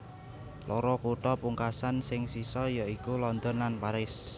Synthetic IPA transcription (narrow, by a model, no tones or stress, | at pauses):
lʔɔɾɔkuʈɔpuŋkasansɪŋsisɔjɔikulɔnd̪ɔnlanpaɾɪs